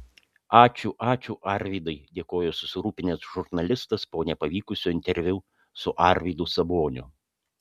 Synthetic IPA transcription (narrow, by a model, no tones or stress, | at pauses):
ɑːt͡ʃʲuːʔɑːt͡ʃʲuʔɐɾʲʋʲiːd̪ɐɪd̪ʲeːkoːjosʊsʲɪɾuːpʲɪnʲɪsʒʊɾnɐlʲɪst̪ɐspoːnʲɛpɐʋʲiːkʊsʲuːɪnʲt̪ʲɛɾʲʋʲʊ | sʊʔɑɾʲʋʲid̪ʊsɐboːnʲʊ̰